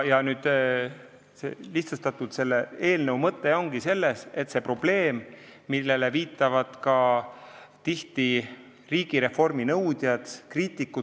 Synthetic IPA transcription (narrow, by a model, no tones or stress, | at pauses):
jɑnyːd̪̥ | seliht̪sust̪ɑt̪ːˑut̪se̞lːee̞ːlnəwmɤt̪ːe̞o̞ŋɡ̥ise̞lːese̞t̪ːse̞pro̞b̥le̞ːmːilːe̞le̞viːt̪ːˑɑvɑd̪̥kɑ | t̪iht̪i | riːɡ̥iɾe̞fo̞rminɤwd̪̥jɑd̪̥kriːt̪ːˑikːu